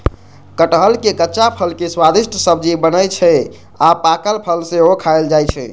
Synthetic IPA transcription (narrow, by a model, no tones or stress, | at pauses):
kəʈɦəlkekətːʃapʰəlkeswad̪isʈʰəsəb̚d͡ʒibənəjt͡ʃʰɛ | apakəlpʰəlsẽokʰaeld͡ʒajt͡ʃʰɛ